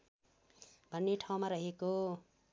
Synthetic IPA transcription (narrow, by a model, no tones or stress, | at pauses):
bʱʌnːeʈʰaw̃maɾʌɦeko